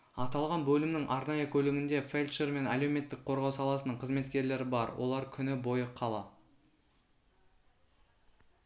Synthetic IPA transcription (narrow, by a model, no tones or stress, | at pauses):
ɑt̪ɑlˠʁɑnbɵlɪmnɪŋʔɑɾnɑjəkʲʰɵlɪɡʲɪnd̪e̞felʲt̪ʃeɾme̞naleme̞t̪ːɪk̚qʰo̞ɾʁɑwsɑlˠɑsənəɴqʰəzme̞t̪kʲe̞ɾle̞ɾɪbɑɾwo̞̰lˠɑɾkʲʰʏnɪbo̞jəqʰɑlˠɑ